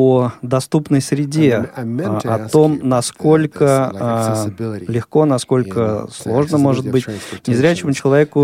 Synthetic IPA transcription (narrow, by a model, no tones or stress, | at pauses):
od̪ɐst̪upnəjsɾʲɪdʲe | ɐ̰t̪o̞mnɐsko̞lʲkə | lʲɪxko̞nɐsko̞lʲkəslˠo̞ʐnəmo̞ʐɨt̪̚bɨtʲnʲɪzɾʲæt͡ɕɪmʊt͡ɕɪlˠɐvʲekʊ